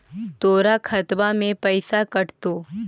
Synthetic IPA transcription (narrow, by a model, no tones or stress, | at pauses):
t̪oːɾakʰɐt̪bamẽpɐɪsakɐʈt̪oː